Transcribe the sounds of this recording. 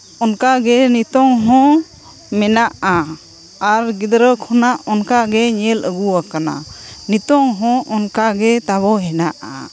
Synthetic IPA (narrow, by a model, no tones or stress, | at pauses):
ɔnkaɡɛnit̪ɔŋɦɔ̃ | mɛnaʔa | aɾɡid̪ɾəkʰɔnaʔɔnkaɡɛɲɛləɡuwakana̰nit̪ɔŋɦɔ̃ʔɔnkaɡɛt̪aβɔɦɛnaʔa̰